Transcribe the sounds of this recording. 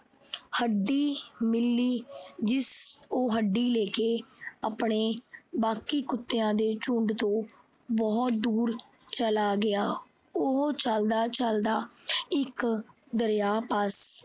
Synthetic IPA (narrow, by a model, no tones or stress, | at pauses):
həɖːiːmɪlːiːd͡ʒɪsoːɦəɖːiːleːkeːəpɳeːbaːkiːkʊt̪ːeːãːd̪eːt͡ʃʊɳɖt̪õː | bɔːt̪̚d̪uːɾ | t͡ʃəlaːɡɪaː | ʊɦt͡ʃəld̪aːt͡ʃəld̪aːɪk | d̪əɾjaːpəs